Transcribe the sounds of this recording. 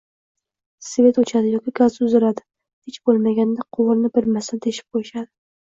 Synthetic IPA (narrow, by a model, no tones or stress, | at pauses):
svʲe̞t̪ot͡ʃʰad̪ɪjɒkʲɪɡazʊzɪɾad̪ɪ̥ | het͡ʃbolˠmaɡʲand̪aqʰʊwʊɾnɪbɪɾmasad̪ʰeʃɪ̥p̚qʰojɪʃad̪ɪ